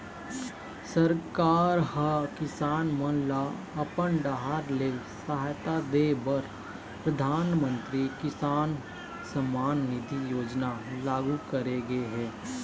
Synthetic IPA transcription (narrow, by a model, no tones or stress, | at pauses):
sɐɾkaːɾhəkɪsaːnmə̃nla | ɐpəɳɖaɦaɾlesaɦaːjt̪ad̪eːbɐɾ | pɾɐd̪ʱaːnmə̃nt̪ɾikɪsaːn | səmaːnːɪd̪ʱijoːd͡ʒnalaːɡukəɾeɡeɦɛ̃ː